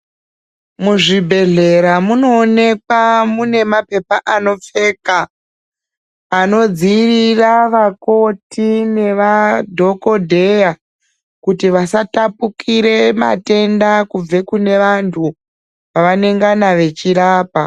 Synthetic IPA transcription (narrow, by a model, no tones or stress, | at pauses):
muʐibʱe̞ɮe̞ɾamuno̞ːne̞kwamune̞mape̞paʔano̞p͡fe̞ka | no̞d͡ziriraʋako̞tine̞ʋadʱo̞ko̞dʱe̞ja | kutiʋasatapukiɾe̞ma̰te̞ndakub͡ve̞kune̞ʋantʰu | ʋaʋane̞ŋɡanaʋe̞t͡ʃiɾaːpa